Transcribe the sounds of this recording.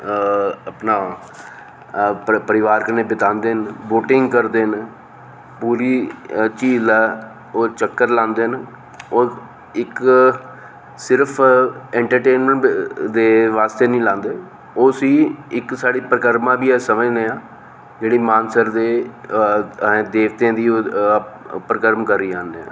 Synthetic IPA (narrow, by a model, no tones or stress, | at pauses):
əpnaː | pəɾɪʋaːɾkəɾneːbɪt̪ãːnd̪eːənboːʈɪŋɡkəɾd̪eːɦn | puːɾiːt͡ʃiːzɛː | oːt͡ʃəkːəɾlãːnd̪eːɦən | oː | ɪk | sɪɾpʰɛ̃ːɳʈəɾʈeːnməɳd̪eːʋaːst̪eːnĩːlãːnd̪eː | oːsiːɪksaːɽiːpɾəkəɾmãːbiːɛːsəməd͡ʒneːãː | d͡ʒeːɽiːmaːnsəɾd̪eː | d̪eːʋt̪ãːd̪iːoː | pəɾəkəɾmkəɾːiːãːnd̪eːã̰ː